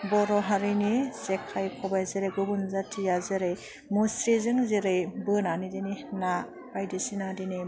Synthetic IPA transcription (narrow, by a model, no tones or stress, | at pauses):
bɔɾɔɦaɾɯjnizekʰajkʰɔbajzɯɾɯjɡɯbunzatʰijazɯɾɯj | musɾizɯŋzɯɾɯjbɯnanidinina | bajdisinadini